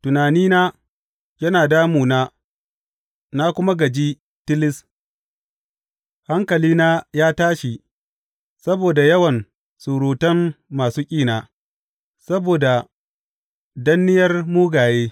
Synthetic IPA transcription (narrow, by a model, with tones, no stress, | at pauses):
tʊ˨naː˨niː˦naː˦ | jɐ˦naː˨daː˦muː˨naː˦ | na˦kʷʊ˦ma˦ɡɐ˨d͡ʒi˦ | tɪ˦lɪ˦s | ha˦ŋkɐ˨liː˦naː˦jaː˦taː˦ʃi˨ | sɐ˦boː˨da˨jɐ˦wɐ˨n | su˨ɾuː˨tɐ˦nːaː˨suː˦kʲʼiː˦naː˨ | sɐ˦boː˨da˨ | dɐ˦nːɪ˦jɐ˦rmuː˦ɡaː˨jeː˦